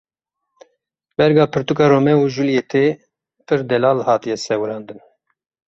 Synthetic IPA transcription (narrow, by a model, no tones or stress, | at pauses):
bɛɾɡɑːpʰɨɾt̪ukɑːɾoːmɛuʒuljeːt̪ʰeː | pʰɨɾd̪ɛlɑːlhɑːt̪ijɛsɛwɨɾɑːnd̪ɨn